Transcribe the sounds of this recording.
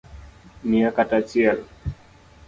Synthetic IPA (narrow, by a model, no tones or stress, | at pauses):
niakatat͡ʃial